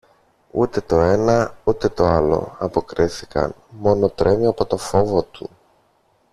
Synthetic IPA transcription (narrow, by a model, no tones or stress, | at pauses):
ut̪e̞t̪o̞e̞nɐut̪e̞t̪o̞ɐlo̞̰ɐpo̞kɾiθikɐ̰n | mo̞no̞t̪ɾʔe̞miɐpo̞t̪o̞fo̞vo̞t̪ṵ